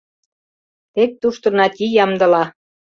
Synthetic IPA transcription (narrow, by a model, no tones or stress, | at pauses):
t̪ek̚t̪uʃt̪ɤ̆nɑt̪ʲijɑmd̪ɤ̆lɑ